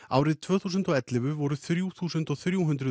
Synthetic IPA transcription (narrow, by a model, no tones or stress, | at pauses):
a̰ːwɾɪðt̪ʰvœːθuːsʏnt̪ɔɣɛt̪lɪvʏvɔɾʏθɾjuθuːsʏnt̪ɔɣθɾjuɦʏnt̪ɾʏ